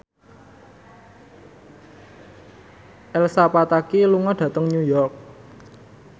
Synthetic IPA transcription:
ʔɛlsapat̪akiluŋɔɖ̥ä̤t̪əŋɲujɔrk̚

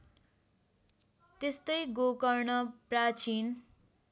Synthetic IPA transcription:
t̪est̪ʌjɡokʌrnʌprat͡sin

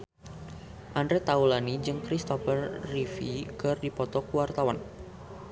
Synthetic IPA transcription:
ʔandɾɛt̪aulanid͡ʒɨŋkɾist̪ɔfərːifikɨrdipɔt̪ɔkuwart̪awan

